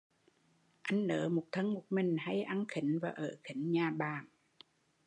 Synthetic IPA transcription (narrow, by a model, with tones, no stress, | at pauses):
ʔa˧jŋ̟nə̰ː˨˦mo˨˩t̚t̪ʰə˧ŋmo˨˩t̚mï˨˩ŋ̟ha˧jʔa˧nxï˨˦ŋ̟vaː˨˩ʔəː˧˩xï˨˩˦ŋ̟ɲaː˨˩ɓaː˨˩ŋ